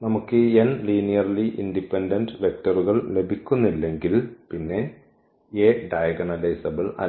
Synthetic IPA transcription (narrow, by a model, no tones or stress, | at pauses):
nɐmukːɨenliːnijɐrliʔindipːendɐndɨʋe̞k̚tɐruɣɐɭle̞bʱikʲːunːilːe̞ŋɡilpinːe̞ | eːɖɐjɐɡɐnɐlɐjsɐbɐɭɐ̰